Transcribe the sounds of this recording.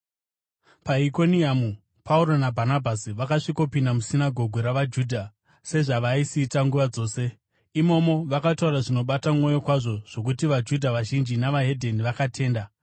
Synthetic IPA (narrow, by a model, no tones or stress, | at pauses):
paiko̞niamu | pʰauɾo̞nabʱanabʱasiʋakaʂiko̞pindamusinaɡʱo̞ɡʱoɾaʋad͡ʒuːdʱa | se̞ʐaʋaisiːtaŋɡuʋad͡zo̞ːse̞ | imo̞mo̞ʋakatauraʐino̞ɓatamo̞jo̞kwaʐo̞ʐ̥o̞k̬utiʋad͡ʒudʱaʋaʒind͡ʒinaʋaɦe̞dʱe̞niʋakatʰe̞ːnda